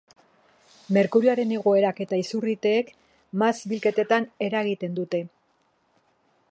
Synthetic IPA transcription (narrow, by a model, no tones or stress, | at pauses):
me̞ɾkuɾioaɾe̞ne̞ɣ̞o̞e̞ɾake̞t̪aisurit̪e̞ːk | masbilke̞t̪e̞t̪ane̞ɾaɣit̪e̞nd̪ut̪e̞